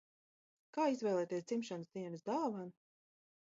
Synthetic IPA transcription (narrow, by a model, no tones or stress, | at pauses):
kaːizvɛjlˠɛːt̪iɛst̪imʃansd̪iɛnɨsd̪alˠvan